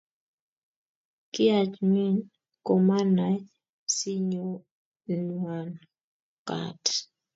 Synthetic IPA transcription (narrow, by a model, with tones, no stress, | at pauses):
kɪ˦a˨t͡ʃmi˦n | ko˨ma˦na˨ | si˦ɲo˦ | nwa˨n | ka̰˨t